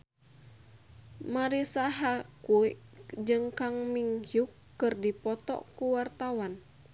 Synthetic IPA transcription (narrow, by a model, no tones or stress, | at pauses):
maɾisaɦakuid͡ʒɨŋkaŋmiŋhjukːɨrdipɔt̪ɔ̰kuwart̪awan